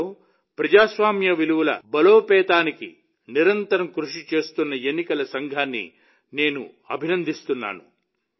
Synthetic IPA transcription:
pɾɐd͡ʒaːsʋaːmjɐʋiluʋulɐ̰bɐloːpɛːt̪aːnikḭ | niɾɐnt̪ɐɾɐmkɾuʂit͡ʃe̞ːst̪unːɐenːikɐlɐsɐŋɡʱaːnːḭ | ne̞ːnṵ | ɐ̰bʱinɐnd̪ʱist̪unːa̰ːnu

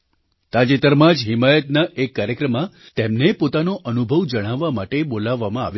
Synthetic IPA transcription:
t̪ad͡ʒit̪əɾmãd͡ʒɦɪmajət̪naʔekːaɾjəkɾəmã | t̪emnepot̪anoʔənubʱəʋd͡ʒəɽ̃aʋːamaʈebolaʋːamãaʋj

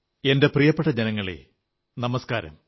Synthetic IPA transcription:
e̞nde̞prijɐpːeʈːɐd͡ʑenɐŋːɐɭḛ | nɐmɐskaːɾɐ̰m

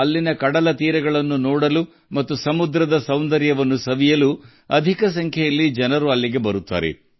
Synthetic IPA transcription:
ɐlːinɐkɐɽɐlɐt̪iːɾɐɡɐɭɐnːunɔːɽɐlu | mɐt̪ːusɐmud̪ɾɐd̪ɐsɐwnd̪ɐɾjɐʋɐnːusɐʋijɐlu | ɐd̪ʱikɐs̬ɐŋkʰjɛjɐlːid͡ʒɐnɐɾuɐlːiɡe̞bɐɾut̪ːa̰ːɾḛ

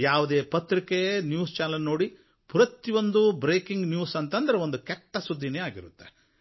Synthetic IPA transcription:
jaːʋud̪e̞ːpɐt̪ɾikenjuːst͡ʃaːlɐnno̞ːɽi | pɾɐt̪iʋo̞nd̪ubɾeːkiŋɡnjuːsɐnt̪ɐnd̪ɐɾeʋo̞nd̪ukɛʈːɐsud̪ʱːineːaːɡiɾut̪ːe

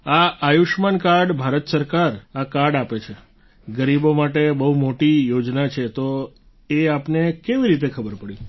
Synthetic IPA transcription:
aajuʃmankaɾɖbʱaɾət̪səɾkaɾakaɾɖapet͡ʃʰe | ɡəɾibomaʈebəɦumoʈijod͡ʒnat͡ʃʰet̪o | eapnekeʋiɾit̪ekʰəbəɾpəɽi

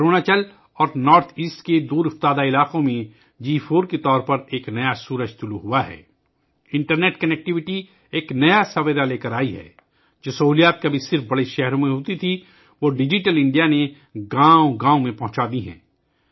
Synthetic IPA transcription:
kɾoːnat͡ʃɐl | ɔːɾnɔːɾt̪ʰiːsʈked̪uːɾʊft̪aːd̪aɪlaːqõmẽ | d͡ʒiːfʰoːɾket̪ɔːɾpɐɾeːknɐjasuːɾəd͡ʒt̪ʊluɦuaɦɛ̰ː | ɪ̃ɳʈəɾneːʈkɐnɛk̚ʈɪʋɪʈi | eːknɐjasɐʋəd̪aleːkəɾaːiɦɛ̰ː | d͡ʒoːsɐɦuːlijaːt̪̚kabʱisɪɾfbɐɽeʃɛɦɾõmẽɦoːt̪it̪ʰi | ʋoːɖɪd͡ʒɪʈəlɪ̃ɳɖijane | ɡãːõɡãːõmẽpɐ̃ɦʊ̃t͡ʃaːd̪iɦɛ̰̃ː

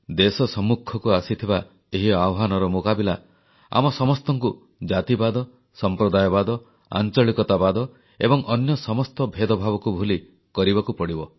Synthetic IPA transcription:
d̪esɔsɔmːukʰːɔkuasit̪ʰiba | eɦiawɦanɔɾɔmokabila | a̰mɔsɔmɔst̪ɔŋku | d͡ʒat̪ibad̪ɔ | sɔmpɾɔd̪ajɔbad̪ɔ | a̰nt͡ʃɔɭikɔt̪abad̪ɔ | ebɔŋʔɔnjɔsɔmɔst̪ɔbʱed̪ɔbʱabɔkubʱuli | kɔɾibakupɔɽibɔ

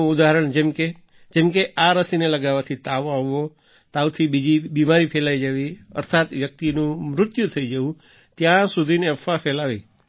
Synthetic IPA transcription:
ũud̪aɦəɾəɳd͡ʒemke | d͡ʒemkeʔaɾəsineləɡaʋat̪ʰit̪aʋõaʋːo | t̪aʋt̪ʰibid͡ʒibimaɾipʰelaid͡ʒaʋiə̰ɾt̪ʰat̪ʋjək̚t̪inũmɾʊt̪jut̪ʰəid͡ʒəʋũ | t̪jãsud̪ʱineəfapʰɛlaʋḭ

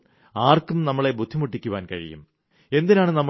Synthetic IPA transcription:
aːrkumnɐmːɐɭe̞bʱud̪ʱːimuʈːikʲːuʋaːnkɐ̰ɻḭjṵm | e̞nd̪inaːɳɨnɐmː

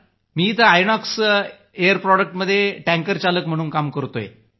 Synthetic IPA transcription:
miːt̪əajɳ̃ɔks | ejəɾpɾɔɖək̚ʈməd̪ʱːjeʈæ̃ŋkəɾt͡ɕaləkm̤əɽ̃uːnkamkəɾt̪ojḛ

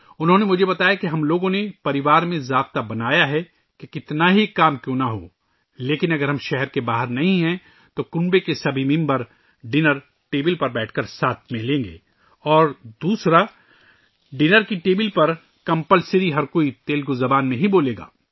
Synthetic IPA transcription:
ʊnɦõnemʊd͡ʒʱebɐt̪aːjakiɦɐmloːɡõnepɐɾɪʋaːɾmẽzaːb̚t̪abɐnaːjaɦɛ | kekɪt̪naɦikaːmkjõːnaɦo̰ː | leːkɪnɐɡəɾɦɐmʃɛɦɛɾkebaːɦəɾnɐɦĩɦɛ̃ | t̪okʊ̃ɳbekesɐbʱimɪ̃mbəɾ | ɖɪnəɾ | ʈeːbɪlpɐɾbɛːʈʰkɐɾsaːt̪̚ʰmẽlẽːŋɡḛː | ɔːɾd̪uːsɾa | ɖɪnəɾkiʈeːbɪlpɐɾ | kɐ̃mpəlsɪɾiɦɐɾkoːit̪eːlkozɐbaːnmẽɦiboːleːɡa̰ː

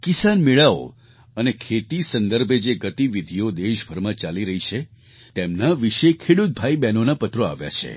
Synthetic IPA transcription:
kisanmiɭao̰ | ənekʰet̪isənd̪əɾbʱed͡ʒeɡət̪iʋid̪ʱijod̪eʃbʱəɾmãt͡ʃaliɾəɦit͡ʃʰe | t̪emnaʋiʃekʰeɽut̪̚bʱaibɛnonapət̪ɾoa̰ʋja̰t͡ʃʰḛ

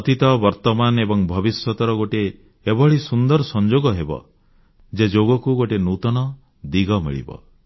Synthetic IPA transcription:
ɔt̪it̪ɔbɔɾt̪ɔmanebɔŋbʱɔbisjɔt̪ɔɾɔɡoʈeː | bɔɭisund̪ɔɾsɔnd͡ʒoɡɔɦebɔ̰ | d͡ʒed͡ʒoɡɔkuɡoʈenut̪ɔnɔ | d̪iɡɔmḭɭḭbɔ̰

